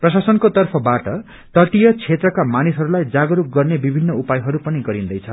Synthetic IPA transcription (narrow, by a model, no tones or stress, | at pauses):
prʌsasʌnkot̪ʌrpʰʌbaʈʌ | t̪ʌʈijʌt͡sʰet̪rʌkamanisɦʌɾulajd͡zaɡʌɾuk̚ɡʌrnebibʱinːʌupajɦʌɾupʌniɡʌɾind̪ʌjt͡sʰʌ